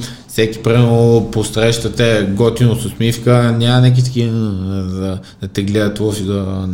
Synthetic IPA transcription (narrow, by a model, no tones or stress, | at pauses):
fsɛki̥pɾiməposɾɛʃt̪ət̪ɛɡɔt̪inososmifkənʲamɐnɛk̬it̪ə̥kinzɐ | ɐt̪ɛɡlɛət̪ofizɐ